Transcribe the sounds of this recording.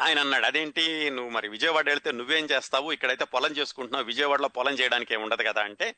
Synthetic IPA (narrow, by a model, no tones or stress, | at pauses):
aːjɐnɐnːaːɽɐd̪e̞ːɳʈinuʋːumɐɾiʋid͡ʒɐjɐʋaːɽeɭit̪eːnuʋːe̞ːmt͡ʃeːst̪aːʋuikːɐɽɐjt̪e̞ːpɔlɐɲt͡ʃeːsu̥kuɳʈunːaːɾuʋid͡ʒɐjɐʋaːɽloːpɔlɐɲt͡ʃɛːjɐɽaːnikeːmuɳɖɐd̪ikɐd̪aːɐɳʈe̞ː